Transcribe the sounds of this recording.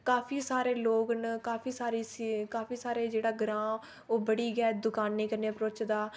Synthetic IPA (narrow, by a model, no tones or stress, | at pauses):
kaːpʰiːsaːɾeːloːknkaːpʰiːsaːɾiːsiːkaːpʰiːsaːɾeːd͡ʒeːɽaːɡɾãː | oːbəɽiːɡɛːd̪ʊkaːnːiːkəɾneːpɾoːt͡ʃd̪aː